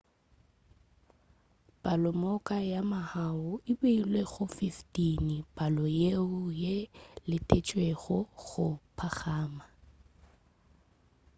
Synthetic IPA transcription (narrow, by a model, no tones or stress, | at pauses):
pʼalɔmɔkʼajamahaʊɪbeilweɣʊfiftʼinibʼalɔjeʊjelɪtʼet͡ʃʼweɣɔɣʊpʰaɣaːma